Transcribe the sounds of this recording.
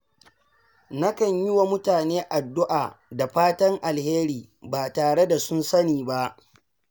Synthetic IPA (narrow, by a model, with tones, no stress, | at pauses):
na˦kɐ˨ɲjɪ˦wa˨mʊ˦taː˨neː˦ʔa˨dːʊ˦ʔaː˨da˨ɸaː˦tɐ˦ŋʔa˨lheː˦ɾiː˨ | baː˨taː˨ɽe˦da˨sʊ˦nsɐ˦niː˨ba˦ʔ